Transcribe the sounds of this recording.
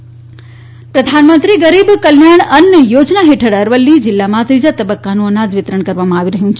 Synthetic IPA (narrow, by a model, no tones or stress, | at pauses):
pɾəd̪ʱanmə̃nt̪ɾiɡəɾibkəljaɳ̃ənjəjod͡ʒnaɦeʈʰəɽəɾʋəlːid͡ʒɪlːamãt̪ɾid͡ʒat̪əbəkːanũənad͡ʒʋɪt̪ɾəɳ̃kəɾʋamãaʋiɾəɦjũt͡ʃʰ